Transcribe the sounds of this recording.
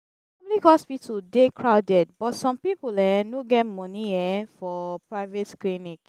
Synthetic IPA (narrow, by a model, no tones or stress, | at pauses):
sɔ̃bɔdikɔspitudekʰɹaʊdɛd̚bɔtsɔ̃mpipulɛnoɡɛtmɔ̃niɛfɔpɹaɪvetklinik